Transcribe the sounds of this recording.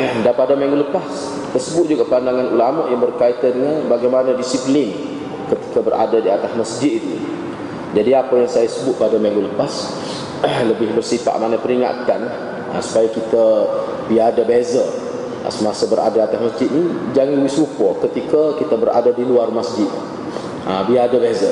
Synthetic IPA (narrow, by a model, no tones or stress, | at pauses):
danpadamaŋɡuləpas | ki̥t̪əsəbʊt̪̚d͡ʒuɡaʔpandaŋanʔulamɔʔjaŋbərkait̪adəŋanbaɡajmanadisiplɪn | kət̪i̥kabərʔa̰dadiat̪asməsd͡ʒɪt̪̚it̪ṵ | d͡ʒadiapəjaŋsajasəbʊt̪̚padamaŋɡuləpas | ləbɪhbərsipa̰ʔmanapəɾiŋa̰t̪an | ə̰su̥pajakit̪a | bidabezə̰ | səmasəbəɾa̰daat̪asməsd͡ʒɪt̪̚nid͡ʒaŋawisupɔkət̪ikakit̪əbəɾʔa̰dadiluarmasd͡ʒɪt̪̚ | əbiadabezə